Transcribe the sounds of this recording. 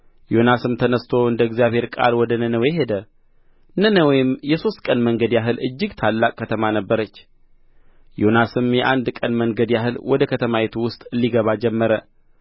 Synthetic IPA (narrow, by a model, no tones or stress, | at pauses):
jo̞nasɨmt̪ʰənəst̪ʰo̞ɨnd̪əɨɡzjaβhe̞ɾkʼa̰lwɔd̪ənənəweɦe̞d̪ə | nənəwɔjɪmjɛso̞st̪̚ʼkʼənməŋɡəd̪jaɦɨlɨd͡ʒːɪɡt̪ʰalːakʼkʰːət̪ʰəmanəbːəɾət͡ʃː | jo̞nasɨmjɛʔand̪kʼənməŋɡəd̪jaɦɨlwɔd̪əkʰət̪ʰəmawet̪ʰuwʊst̪ʼliɡəβad͡ʒɛmːəɾə